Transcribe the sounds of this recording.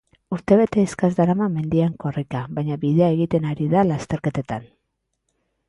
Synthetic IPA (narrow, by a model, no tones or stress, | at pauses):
uɾt̪e̞β̞e̞t̪e̞ːskazd̪aɾamame̞nd̪iaŋko̞rikaβajɲaβiðe̞ae̞ɣit̪e̞naɾiðalast̪e̞ɾke̞t̪e̞t̪an